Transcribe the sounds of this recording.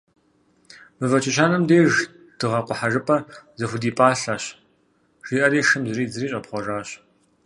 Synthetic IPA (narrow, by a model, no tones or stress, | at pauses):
mɨvɐt͡ʃʰʼɪɕ̬aːnɨmdeːʒ | d̥ɨʁɐqʷʊħaʒɨpʼɐzɐxʷʊdiːpʼaːɬaːɕ | ʒ̥iːʔɐɾiːʂɨmzɨɾiːzɨriːɕʼɐpχʷɔʒaːɕ